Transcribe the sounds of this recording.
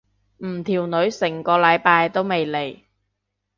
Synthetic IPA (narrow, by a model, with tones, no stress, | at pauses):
m̩˨˩t̪ʰiː˨˩wnɵ˨˧˥ɥsɪ˨˩ŋkɔː˧lɐ˨˧jpaː˧jt̪o˥wme˨jle˨˩j